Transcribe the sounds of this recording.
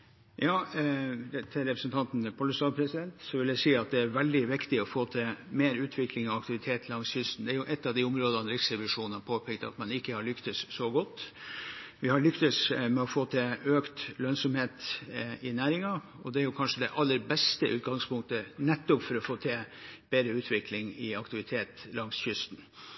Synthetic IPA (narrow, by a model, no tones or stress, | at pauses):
jɑː | t̪ʰɪɾɛpɾəsnt̪ʰɑnt̪n̩ɛpʰɔlːəsɑːpʰɾɛsɪd̪ɛnt̪sɔʋɪljæɪsiːɑt̪̚d̪ɛæɾʋɛld̪ɪʋɪkt̪ɪɔfoːt̪ʰɪmeːɾʉːt̪ʰʋɪkʰlɪŋɑʋɑkt̪ɪʋɪt̪ʰeːt̪ʰlɑŋsjʏst̪n̩d̪ɛæɾjʊʔɛt̪ːɑʋd̪ɪʊmɾoːd̪ɑnɾɪksɾɛʋɪʂuːnn̩ɑpʰoːpʰɛk̚t̪ɑ̰t̪mɑnɪkːəhɑɭʏkt̪əssɔɡɔt̪ː | ʋɪhɑɾɭʏkt̪əsmɛɔfoːt̪ʰɛøːkt̪lœnsɔmheːt̪ɪnæːɾɪŋɑ | ɔd̪ɛæɾjʊkʰɑnʂəd̪ɛʔɑlːəɾbɛst̪əʔʉ̰ːt̪ɡɑŋspʊŋkt̪ənɛt̪ːɔpfɔɾɔfoːt̪ʰɛb̥eːd̪ɾəʉːt̪ʰʋɪkʰlɪŋɪɑkt̪ɪʋɪt̪ʰeːt̪lɑŋsçʏst̪n̩